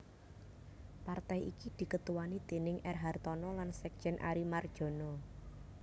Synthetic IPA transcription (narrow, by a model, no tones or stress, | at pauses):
part̪ajḭkid̪̥i̤kət̪uwanid̪̥e̤nɪŋʔɛrɦart̪ɔnɔlansɛk̚ʒ̥ɛnʔa̰ɾimard̥ʒ̥o̤nɔ